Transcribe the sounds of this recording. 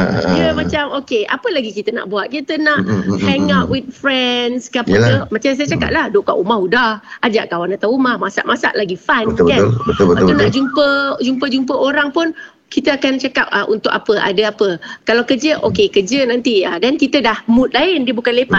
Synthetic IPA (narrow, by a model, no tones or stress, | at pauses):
jəmãt͡ʃamokeʔa̰pəlaɡikit̪əna̰ʔbuat̪̚kit̪ənãʔhɛŋaʔwɪt̪̚fɾɛnskəapəkəmat͡ʃams̬ajat͡ʃaka̰p̚lahdoka̰ʔumahudahʔad͡ʒaʔkawanat̪awumahmasa̰ʔmasa̰ʔlaɡifankalbət̪bəaanaʔd͡ʒumpəd͡ʒump̬əd͡ʒumpəʔoɾaŋpʊn | kit̪əakant͡ʃakap̚əʔunt̪ʊkapəʔa̰dəapəkalawkəd͡ʒəʔokekəd͡ʒənãnt̪iadankit̪ədahmũt̪̚laɪndiəbukanlepa